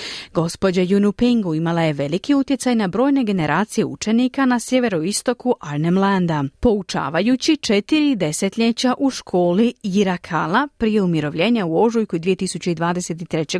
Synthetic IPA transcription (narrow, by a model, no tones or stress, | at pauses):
ɡo̞spo̞d͡ʑajunupiŋɡuimalˠaje̞ʋe̞likiut̪jet̪sajnabɾo̞ːjne̞ɡe̞ne̞ɾʔaːt̪sije̞ṵt͡ʃe̞nikanasje̞ʋe̞ɾo̞ist̪o̞kuʔaɾnemland̪apo̞ut͡ʃa̰ːʋajut͡ɕit͡ʃe̞t̪iɾid̪e̞se̞t̪ʎʲe̞t͡ɕaʔuʃkʰo̞ːliiɾakʰalapɾije̞umiɾo̞ʋʎʲe̞ːɲauo̞ʒujkud̪ʋije̞t̪isut͡ɕe̞id̪ʋaːd̪e̞se̞t̪it̪ɾe̞t͡ɕe̞